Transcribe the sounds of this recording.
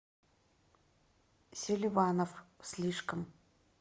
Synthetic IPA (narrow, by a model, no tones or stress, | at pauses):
selʲivaːnofsliːʂkəm